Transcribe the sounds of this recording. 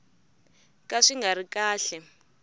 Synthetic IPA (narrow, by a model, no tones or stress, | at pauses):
kʼaʂiŋɡʱaɾikaːɬɛ